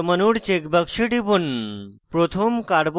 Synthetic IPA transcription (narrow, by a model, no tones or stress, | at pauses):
mənuɽt͡ɕekbəkʂiʈipunpɾot̪ʰomkaɽb